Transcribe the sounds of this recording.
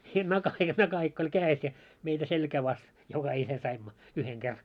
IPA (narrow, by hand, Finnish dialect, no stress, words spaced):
jɑ nɑkɑh jɑ nɑkɑhikː olʲ kæːes jɑ meitæ selkæː ʋɑs jokɑhine sɑimːo yheŋ ker